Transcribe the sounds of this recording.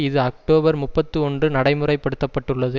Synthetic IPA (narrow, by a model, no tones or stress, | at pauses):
ɪðɯɐk̚ʈoːbɐɾmʊpːɐt̪ːɯɔnɖrɯnɐɽɐɪmɯrɐɪpːɐɽɯt̪ːɐpːɐʈːɯɭːɐðɯ